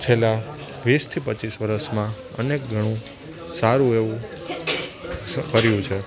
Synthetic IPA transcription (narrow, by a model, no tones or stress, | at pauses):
t͡ʃʰela | ʋist̪ʰipət͡ʃisʋəɾəʃmã | ə̰nek̚ɡʱəɽ̃ũ | saɾũeʋũ | kəɾjũt͡ʃʰe